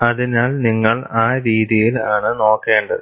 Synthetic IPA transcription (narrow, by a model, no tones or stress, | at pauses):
ɐðinaːlniŋːɐɭaːɾiːðijilaːɳɨno̞ːkːe̞ːɳɖɐ